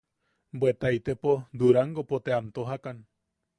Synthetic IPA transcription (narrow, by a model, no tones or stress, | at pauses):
bwet̪ait̪epod̪uɾaŋɡopot̪eamt̪oɦakan